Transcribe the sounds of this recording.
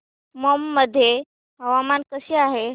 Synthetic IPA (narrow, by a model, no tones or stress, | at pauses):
məmːəd̪ʱːje | ɦəʋamankəɕiːaɦe